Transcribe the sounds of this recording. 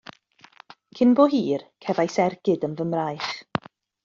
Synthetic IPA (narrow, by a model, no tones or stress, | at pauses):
kʰɪnboːɦiːrkʰɛvajsɛrɡ̥ɪdənvəmrajχ